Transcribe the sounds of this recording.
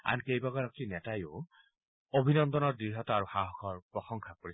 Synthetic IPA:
a̰nkejbaɡaɹɔk̚inɛtajʊ | obʱinɔnd̪ɔnɔɹdiɦɔtɔaɹuxaɦɔxʰɔɹpɹɔxɔŋkʰakoɹi

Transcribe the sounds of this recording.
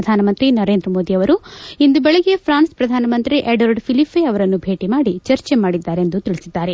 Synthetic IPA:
d̪ʱaːnɐmɐnt̪ɾinɐɾe̞ːnd̪ɾɐmo̞ːd̪iɐʋɐɾuind̪ubɛɭɐɡepʰɾaːnspɾɐd̪ʱaːnɐmɐnt̪ɾiʔeɖʋɐɾɖpʰilipʰːeɐʋɐɾɐnːubʱe̞ːʈimaːɽit͡ʃɐɾt͡ʃemaːɽid̪ːaːɾeend̪ut̪iɭisid̪ːaːɾe̞

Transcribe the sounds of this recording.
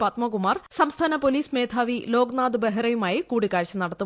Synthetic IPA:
pɐt̪mɐkumaːrsɐmst̪ʰaːnɐpoliːsmeːd̪ʰʱaːʋilo̞ːɡnaːd̪ɨbeɦɐrɐjumaːjikuːɽikːaːɻt͡ɕːɐmnɐɽɐt̪ːu

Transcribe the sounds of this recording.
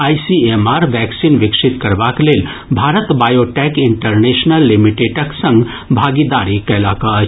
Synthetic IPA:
aːjsiemaɾʋɛksinʋɪkʃit̪kəɾbakleːl | bʱaɾət̪bajoʈɛkiɳʈəɾneʃnəlːimiʈeʈəksə̃ŋɡ | bʱaɡid̪aɾikɛlaka

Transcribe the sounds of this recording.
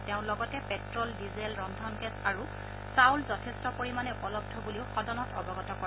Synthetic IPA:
teʊ̃lɔɡɔtɛpɛtɹɔldizɛlɹɔndʱɔnɡɛsaɹu | sawlzɔtʰɛstɔpoɹimanɛpɔlɔb̚dʱɔbuliʊxɔdɔnɔtɔbɔɡɔtɔkɔ

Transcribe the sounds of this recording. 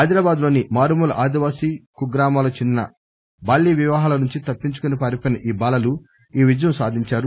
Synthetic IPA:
ɦɐjd̪ɾaːbaːd̪lo̞ːnimaːɾumulʔaːd̪iʋaːsiːkuɡɾaːmaːloːt͡ʃind̪nɐ | baːlːiːʋiʋɐɦaːlɐnuɲt͡ʃit̪ɐpːiɲt͡ʃu̥kunipɐɾipɐnɐʔiːbaːlɐlu | iːʋid͡ʒɐjɐmsaːd̪ʱiɲt͡ʃaːɾu

